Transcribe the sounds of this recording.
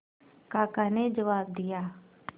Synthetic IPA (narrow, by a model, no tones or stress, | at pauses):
kaːkaːned͡ʒəʋaːb̚d̪ɪjaː